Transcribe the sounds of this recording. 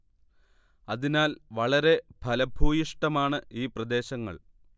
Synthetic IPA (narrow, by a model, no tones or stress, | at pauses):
ɐðinaːlʋɐɭɐɾe̞bʱɐlɐbʱuːjiʂʈɐmaːɳɨiːprɐd̪e̞ːɕɐŋːɐ̰ɭ